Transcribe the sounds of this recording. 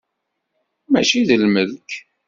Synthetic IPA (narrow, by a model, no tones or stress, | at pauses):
mæt͡ʃiðəlməðk